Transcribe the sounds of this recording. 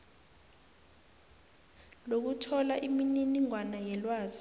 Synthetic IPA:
lok̬utʰɔlaʔimininiŋwanajɛlwaːzi

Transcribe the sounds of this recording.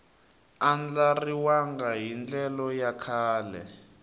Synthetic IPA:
and͡ɮariwaŋɡaɦind͡ɮɛlɔjakʰaːlɛ

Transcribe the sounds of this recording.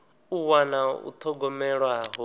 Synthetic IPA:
uwanaṵt̪ʰɔɡɔmɛɺwaɦɔ

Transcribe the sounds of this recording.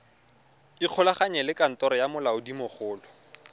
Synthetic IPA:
ɪq͡χʰɔlaχaɲɛlɪkʼan̩tɔɾɔjamʊlaʊdimʊχʊːlɔ

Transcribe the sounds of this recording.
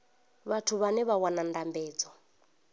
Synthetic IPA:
βatʰuβanɛβawanandambɛːd͡zɔ

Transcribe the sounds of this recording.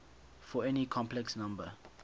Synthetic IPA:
fɔɛnikʰɔ̃mplɛksnãmbə

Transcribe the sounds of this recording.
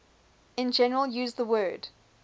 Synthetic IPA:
ɪ̃nd͡ʒɛnəɹəlˠjʉːzðəwɜːd̥

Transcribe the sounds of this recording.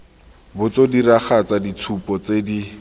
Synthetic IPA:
bʊt͡sodiraχat͡sadit͡sʰupɔt͡sedi

